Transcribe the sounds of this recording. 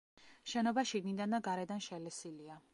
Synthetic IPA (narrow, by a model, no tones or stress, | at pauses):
ʃɛnɔbaʃiɡnid̪and̪aɡaɾɛd̪anʃɛlɛsilia